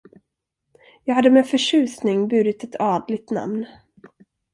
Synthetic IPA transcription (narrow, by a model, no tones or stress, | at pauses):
jɑːɡhad̪ːəmɛːfœʂʉ̟ːsnɪŋbʉ̟ːɾɪt̪ɛt̪ʰɑːd̪lɪt̪na̰mn